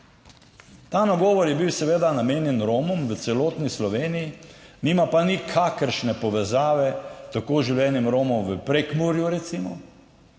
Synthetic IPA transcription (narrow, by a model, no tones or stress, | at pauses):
t̪aːnaɡɔːʋɔɾjɛbiwsɛʋeːd̪anameːnjɛnɾoːmɔmʋət̪sɛloːt̪nislɔʋeːnijiniːmapanikʰakəɾʃnɛpɔʋɛzaːʋɛt̪akoːʒiwljɛːnɛmɾoːmɔmʋəpɾekmuɾjuɾɛt̪simɔ